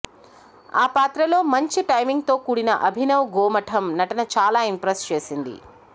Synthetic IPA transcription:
aːpaːt̪ɾɐlo̞ːmɐɲt͡ʃiʈɐjmiŋɡ̚t̪o̞ːkuːɽinɐʔɐbʱinɐwɡoːmɐʈʰɐmnɐʈɐnɐt͡ʃaːlaːimpɾest͡ʃe̞ːsind̪ḭ

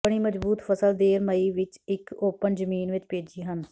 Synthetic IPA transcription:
ɽ̃iːməd͡ʒbuːt̪pʰəsəld̪eːɾməiːʋɪt͡ʃɪkoːpənd͡ʒəmiːnʋɪt͡ʃpeːd͡ʒiːɦən

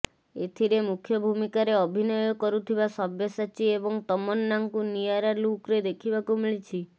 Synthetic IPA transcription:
et̪ʰiɾemukʰjɔbʱumikaɾeɔbʱinɔjɔkɔɾut̪ʰibasɔbjɔsat͡ʃiebɔŋt̪ɔmɔnːaŋkunijaɾalukɾed̪ekʰibakumiɭit͡ʃʰi

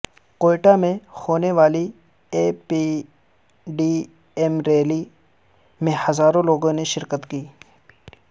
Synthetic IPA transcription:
koːɪʈamẽhoːneʋaːli | eːpi | ɖiː | ɛmɾeːli | mẽhɐzaːɾõloːɡõneʃɪɾkət̪kiː

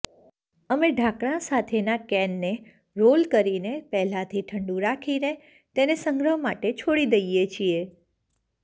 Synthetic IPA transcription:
əmeɖʱakɽ̃ãsat̪ʰenakɛnːe | ɾolkəɾinepɛɦlãt̪ʰiʈʰəɳɖũɾakʰine | t̪enesəŋɡɾəɦmaʈet͡ʃʰoɽid̪əjjet͡ʃʰie

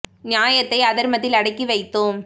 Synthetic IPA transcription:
njaːjɐt̪ːɐɪɐðɐɾmɐðɪlɐɽɐɪkːiʋɐɪt̪ːoːm

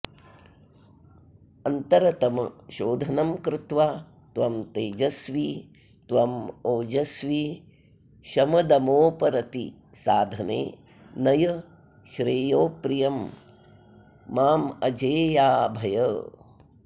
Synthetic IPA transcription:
ɐnt̪ɐɾɐt̪ɐmɐʃoːd̪ʱɐnɐmkɾɪt̪ʋaː | t̪ʋɐmt̪eːd͡ʒɐsʋi | t̪ʋɐmoːd͡ʒɐsʋi | ʃɐmɐd̪ɐmoːpɐɾɐt̪ḭ | saːd̪ʱɐnḛː | nɐjɐ | ʃɾeːjoːpɾijɐm | aːmɐd͡ʒeːjaːbʱɐjɐː

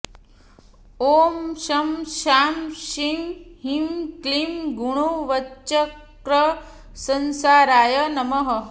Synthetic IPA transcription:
oːmʃɐmʃaːmʃiŋɦimklimɡuɽ̃uʋɐːt͡ʃɐkɾə | sɐnsaːɾaːjənɐmɐɦɐ

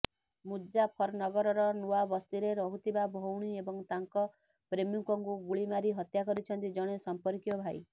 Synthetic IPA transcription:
mudd͡ʒapʰɔɾnɔɡɔɾɔɾɔnuabɔst̪iɾeɾɔɦut̪ʰibabʱowɽ̃iebɔŋt̪aŋkɔ | pɾemjuŋkɔŋkuɡuɭimaɾiɦɔt̪jakɔɾit͡ʃʰɔnt̪id͡ʒɔɽ̃esɔmpɔɾkjɔbʱaj

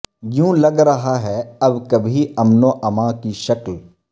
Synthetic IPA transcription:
jũːlɐɡɾɐɦaɦɛɐbkɐbʱiɐmnoʔɐmãkiʃɐkl

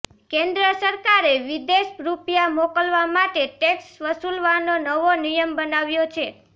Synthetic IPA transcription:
kẽnd̪ɾəsəɾkaɾeʋid̪eʃɾupjamokəlʋamaʈeʈeksʋəsulʋanonəʋonijəmbənaʋjot͡ʃʰe

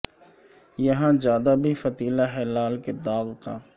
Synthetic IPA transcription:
jɐɦãzjaːd̪abʱifɐt̪iːlaɦɛːlaːlked̪aːʋkaː

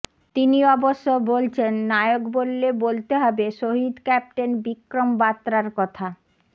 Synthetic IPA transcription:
t̪iniɔboʃːobolt͡ɕʰenːaeokbolːebolt̪eɦɔbeʃoɦid̪kɛp̚ʈenbikɾombat̪ːɾaɾkɔt̪ʰa

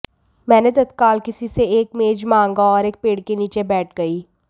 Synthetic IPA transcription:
mɛ̃ːned̪ɐd̪kaːlkɪsiseeːk̚meːd͡ʒmãːŋɡaɔːɾeːk̚peːɽkeniːt͡ʃebɛːʈʰɡɐiː

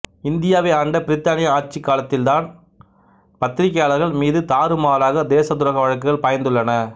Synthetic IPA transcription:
ɪnd̪ɪjaːʋɐaːɳɖɐpɪɾɪt̪ːaːnɪjɐaːʈ̚t͡ʃːɪkːaːlɐt̪ːɪld̪aːn | pɐt̪ːɪɾɪkːjaːlɐɾɣɐɭmiːðɯt̪aːɾɯmaːɾaːɣɐd̪eːsɐt̪ʊɾɐɣɐʋɐɻɐk̬ːɯɣɐɭpɐjɐnd̪ɯɭːɐnɐ

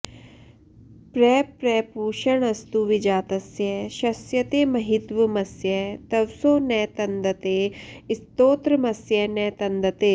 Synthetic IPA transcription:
pɾɛːpɾɛːpuːʃɐɳɐst̪uʋɪd͡ʒaːt̪ɐsjɛʃɐsjɐt̪eːmɐɦɪt̪ʋɐmɐsjɛt̪ɐʋsoːnɛːt̪ɐnd̪ɐt̪eːɪst̪oːt̪ɾɐmɐsjɛːnɛːt̪ɐnd̪ɐt̪eː

